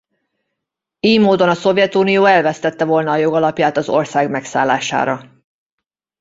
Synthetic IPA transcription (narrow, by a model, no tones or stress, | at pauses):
eːjmoːd̪o̞nɒso̞vjɛt̪uːnijoːɛlvɛst̪ɛt̪ːɛvo̞lnɒːjo̞ɡɒlɒpjaːt̪ɒzo̞̰rsaːɡmɛksa̰ːlːa̰ːʃa̰ːɾɒ